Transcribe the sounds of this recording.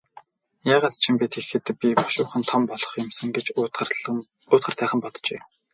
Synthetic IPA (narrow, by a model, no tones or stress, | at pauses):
jaːʁaːt̪t͡ɕʰimpæt̪exɘ̆t̪pʲipɔ̥ʃʊːχɘ̆nt̪ʰɔmpɔɮɞ̥̆χjɪ̆msɘ̆ŋɡet͡ɕ | ʊːt̪χə̆rt̪ʰæːχə̆mpɔt̪t͡ɕḛː